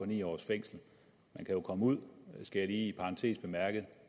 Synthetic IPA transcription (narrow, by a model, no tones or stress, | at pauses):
ɒ̽nḭːɒ̰ːsfeŋ̰sl̩ | mænkʰæjo̝kʰɒ̽məuð̞̰ˠsɡ̥æjɑliːipʰɑ̈ʁɑ̈nt͡sʰe̝̰ːsb̥e̝mæɐɡ̥əð̞̩ˠ